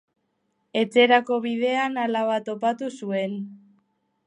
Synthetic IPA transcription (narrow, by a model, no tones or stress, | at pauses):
e̞t͡se̞ɾako̞βiðe̞analaβat̪o̞pat̪usue̞n